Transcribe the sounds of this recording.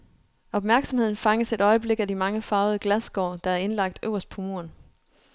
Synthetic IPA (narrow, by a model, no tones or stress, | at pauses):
ɒ̽b̥mæɐɡ̥sɒ̽mhe̝ð̞̰ˠn̩fɑ̈ŋəse̝d̥ɒ̽ɪəb̥le̝ɡ̥ædimɑ̈ŋəfɑ̈ʊð̩ˠəɡ̥læsɡ̥ɒ̰ːd̥ɑ̈æɐe̝nlɑ̈ɡ̥̚d̥ø̰ʊɐsd̥̚pʰomo̝ɐn